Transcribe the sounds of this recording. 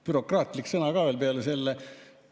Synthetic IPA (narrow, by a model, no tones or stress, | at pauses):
pyɾo̞kˑrɑːt̪ˑliksɤnɑkɑːʋelpeɑlese̞lːe